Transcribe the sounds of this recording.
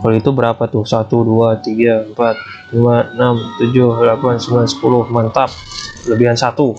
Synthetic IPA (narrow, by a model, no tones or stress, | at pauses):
kaluit̪ubəɾapat̪ʊhsat̪uduat̪iɡaəmpat̪̚ | limaənamt̪ud͡ʒʊhlapansəmblansə̥pulʊhmant̪ap̚ləbiɦansat̪u